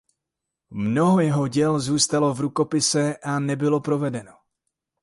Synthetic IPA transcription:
mno̞ɦo̞jɛɦo̞ɟɛlzuːst̪alo̞vɾuko̞pɪsɛʔanɛbɪlo̞pɾo̞vɛdɛno̞

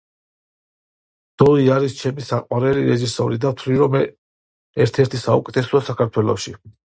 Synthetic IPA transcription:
d̪̥ɔiaɾist͡ʃʰɛmisaqʼwaɾɛliɾɛʒisɔɾid̪at̪ʰliɾɔm | ɛɾt̪ʰɛɾt̪ʰisaukʼɛt̪ʰɛsɔsakʰaɾt̪ʰwɛlɔ̰ʃi

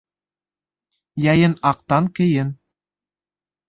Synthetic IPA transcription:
jɑjɘnɑq̚t̪ɑŋkɘ̆jɘn

